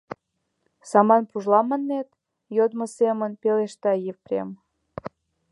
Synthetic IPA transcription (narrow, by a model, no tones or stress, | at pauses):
sɑmɑnpuʒlɑmənːet̪ | jod̪mə̆semənpeleʃt̪ɑjefprʲḛm